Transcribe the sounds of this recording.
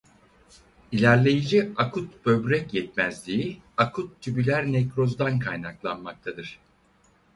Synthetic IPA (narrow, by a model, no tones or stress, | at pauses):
ilʲæɾlʲe̞jid͡ʒiakʰut̪b̥ø̞bɾɛcjɛt̪̚mæzlʲiiakʰut̪ʰːybilʲæɾnɛcɾo̞zd̪ankʰajnaklˠa̰nmak̚t̪ʰad̪ɯɾ̥